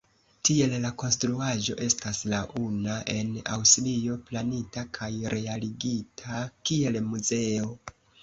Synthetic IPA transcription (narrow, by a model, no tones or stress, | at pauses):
tie̞llako̞nstɾuaʒo̞̰ʔe̞staslaʔunaʔe̞na̰wstlio̞planitakʰajɾʔe̞aliɡitʰakie̞lmuze̞o̞